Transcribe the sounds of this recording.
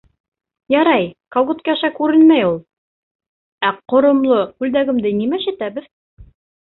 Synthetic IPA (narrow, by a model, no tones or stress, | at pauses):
jɑɾɑjkolˠɡot̪kæʃækʉɾɘnmæjulˠ | æqŏɾŏmlˠoʉld̪æɡɘ̆md̪ɘnimæʃɘ̆t̪æbɘð